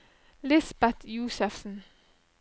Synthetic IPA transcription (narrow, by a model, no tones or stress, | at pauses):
lɪsb̥ɛd̪juːsəfsn̩